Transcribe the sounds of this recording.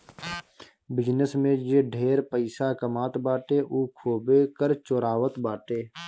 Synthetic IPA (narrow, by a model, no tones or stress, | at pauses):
bɪd͡ʒnəsmẽd͡ʒeːɖʱeːɾpəɪsakəmaːt̪baːʈeːʔuːkʰoːbekəɾt͡ʃoːɾaːwət̪baːʈeː